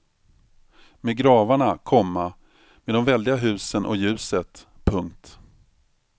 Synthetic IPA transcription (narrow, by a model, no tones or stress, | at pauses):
meːɡɾɑːvaɳakʰɔmːa | meːd̪ɔmvɛld̪ɪɡaɦʉ̟ːsənʔɔ̰jʉ̟ːsət̪ | pʰɵŋkt̪